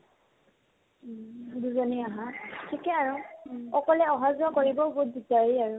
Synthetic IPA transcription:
duzɔniaɦãtʰikɛaɹuɔkɔlɛɔɦazakoɹibɔbot̚bitaɹiaɹu

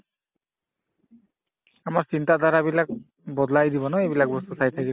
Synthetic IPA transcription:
amaɹsintadaɾabilak̚ | bɔdlajdibɔnɔejbilak̚bɔstusajtʰaki

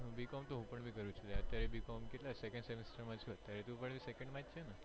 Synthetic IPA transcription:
ɦũbikɔmt̪oɦũpəɳbʱiːkəɾuːt͡ʃʰuleət̪jaɾebikɔmkit̪lasekə̃ɳɖseʋesʈəɾmaɕiɦot̪ːjaɾet̪ũpəɳbʱiːsekẽɳɖmatt͡ɕʰena

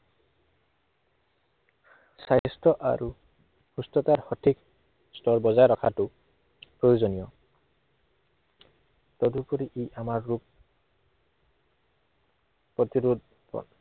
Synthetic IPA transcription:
sajstʰɔʔa̰ɹu | hustɔtaɹxɔtʰik | stɔɹbɔzajɾɔkʰatʊ | pɹojozɔnijɔ | tɔdupɔɾiʔiʔamaɹːup̚ | pɹɔtiɾud̪̚ | pɔ̰

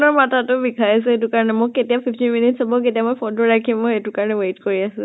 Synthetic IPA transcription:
nɔɹmatatʊbikʰajasɛetʊkaɹɔnɛmʊkːetijapʰipʰtinminitsabɔk̬etiamojpʰontʊɹakʰimɔetʊkaɹɔnɛwetkoɹiasɛ̃

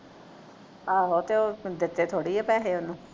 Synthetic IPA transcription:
aːɦoːt̪eːoːd̪ɪt̪ːeːt̪ʰoːɽiːɛpɛːɦeːʊnũː

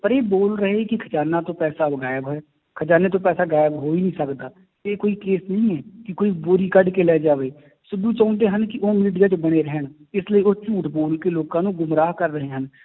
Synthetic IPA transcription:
pəɾeːboːlɾəɦekikʰət͡ʃaːnaːt̪õːpɛːsaːbɡaːɪbɦoɛː | kʰəd͡ʒaːnet̪̬õːpɛːsaːɡaːɪbɦoːinĩːsəkd̪aː | t̪eːkoːiːkeːsnəɦĩɦɛːkɪkoːiboːɾiːkəɖkelɛːd͡ʒaːʋeː | sʊd̪ũt͡ʃãːnt̪̬eːɦənkɪʔoːmiːɖɡat͡ʃbəɽ̃eːɾɛɦən | ɪsləiːoːt͡ʃuːʈboːlkeloːkãːnũːɡʊmɾaːɦkəɾːəɦeɦən

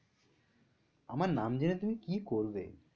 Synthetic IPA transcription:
amaɾnamd͡ʑenet̪umikikoɾbḛ

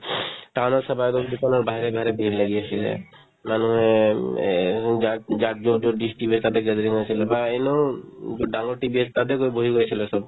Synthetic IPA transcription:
ʈanɔɾsabad̪ɔmd̪ukanɔɾbaɦiɾebʱaɦiɾebʱeɾlaɡijat͡ʃʰila̰ | manuɦe | d͡ʒad͡ʒak̚d͡ʒod͡ʒoɖisʈibiest̪ad̪eɾɡɛd̪aɾiŋat͡ʃʰilɔbaenod͡ʒoɖaŋɡoɾʈibiest̪ad̪eɾkojboɦikojet͡ʃʰilɔsɔb

